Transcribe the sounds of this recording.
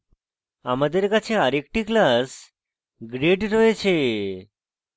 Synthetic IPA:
amad̪eɾkat͡ɕʰeaɾek̚ʈiklas | ɡɾeɖɾɔet͡ɕʰe

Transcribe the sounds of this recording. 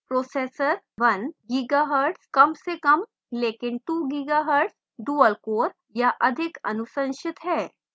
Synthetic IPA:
pɾosesəɾ | ʋənɡiɡaɦəɾɖskəmsekəm | lekinʈuɡiɡaɦəɾɖs | duəlkoːɾ | jaʔəd̪ʱikə̰nusə̃nɕit̪ɦɛ

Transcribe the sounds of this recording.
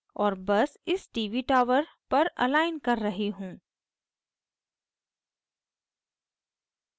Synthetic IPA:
ɔːɾbɐsɪsʈiːʋiʈaːʋəɾ | pɐɾɐ̰laːɪnkɐɾːɐɦiɦũː

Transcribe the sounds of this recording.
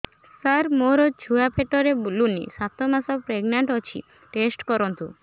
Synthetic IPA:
saɾmoɾod͡ʒʱuapʰeʈɔɾebulunḭsat̪ʰomasɔpɾeɡnaɳʈɔt͡ʃʰḭ | ʈesʈkɔɾɔnt̪u

